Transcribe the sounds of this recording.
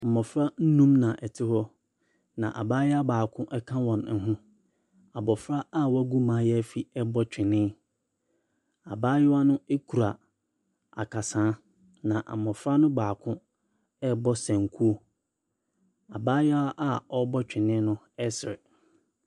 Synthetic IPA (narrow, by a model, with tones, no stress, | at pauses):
m̩˨mɔ̃˨fɾa˦n̩˦nũ˦mnã˨ʔɛ˨tʰɪ˦hɔ˦ | nã˨ʔa̰˨baː˦jɛ˦a˦baː˨kʰʊ̃˦ʔɛ˦kʰã˦wɔ̃˨n̩˦ɦũ˦ | a˨bɔ˨fɾa˦a˦wɔ˦æ˦ɡu˦mãː˦jɛ˦æ˦fi˦ɛ˦bɔ˦t͡ɕᶣɪ˨nɪ̃˦ | a˨baː˦jɛ˦wa˦nʊ̃˦e˦kʰu˨ɾa˨ | a̰˨kʰa˨sãː˨˦ | nã˨ʔa̰˨mɔ̃˨fɾa˦nʊ̃˦baː˨kʰʊ̃˦ | ɛ˦bɔ˦sɛ̃˨ŋ˨kʰu˦o˦ | a˨baː˦jɛ˦a˦ʔa˦ɔ˦bɔ˦t͡ɕᶣɪ˨nɪ̃˦nʊ̃˦ | ɛ˦sɪ˨ɾɪ̰˨